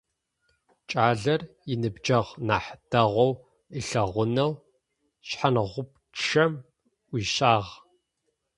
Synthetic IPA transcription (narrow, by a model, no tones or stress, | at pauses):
t͡ʃʼaːɮɐr | jɪnɨbd͡ʒɐʁnaːħdʰɐʁʷɔw | əɬɐʁʷʊnɐw | ɕħanʁʷʊp | ɐm | ʔʷiːɕaːʁ